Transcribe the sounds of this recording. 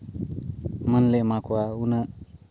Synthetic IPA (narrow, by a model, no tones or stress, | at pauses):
mənlemakuaunə